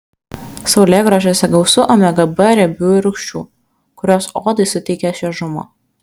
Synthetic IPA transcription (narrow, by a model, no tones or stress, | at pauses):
sɐʊlʲeːɡɾɐʒʲoːsʲɛɡɐʊsʊʔomʲɛɡɐbɐɾʲɛbʲuːɾʊkʃʲt͡ʃʲṵː | kʊɾʲoːsoːd̪ɐɪsʊt̪ʲɛɪkʲɛʃʲɛʒʊmo̰ː